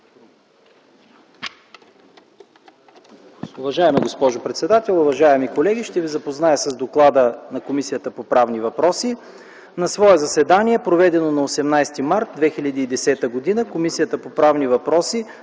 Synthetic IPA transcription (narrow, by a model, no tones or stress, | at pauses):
ʊvɐʒaɛmiɡospɔʒopɾɛt̪sɛd̪at̪ɛlˠʊvɐʒaɛmikolɛɡʲiʃt̪ɛvizɐpoznajəsɐzd̪oklˠad̪ənɐkomisijət̪əpopɾavnivɐpɾɔsi | nɐsvɔɛzɐsɛd̪aniɛpɾovɛd̪ɛnonɐosɛmnajst̪imaɾt̪̚d̪vɛxiʎʲɐd̪iːd̪ɛsɛt̪əɡod̪inəkomisijət̪əpopɾavnivɐpɾɔsi